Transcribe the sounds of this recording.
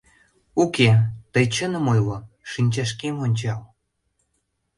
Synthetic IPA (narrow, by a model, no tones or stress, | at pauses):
uket̪əjt͡ɕənə̆mojlo | ʃinʲt͡ɕɑʃkemonʲt͡ɕɑl